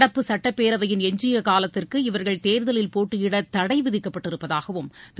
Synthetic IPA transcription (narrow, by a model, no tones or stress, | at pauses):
ɽɐpːɯsɐʈːɐpːeːɾɐʋɐjɪnɛɲd͡ʒɪjɐkaːlɐt̪ːɪrkɯɪʋɐɾɣɐɭt̪eːɾðɐlɪlpoːʈːɯjɪɽɐt̪ɐɽɐɪʋɪðɪkːɐpːɐʈːɪɾɯpːɐðaːɣɐʋɯmt̪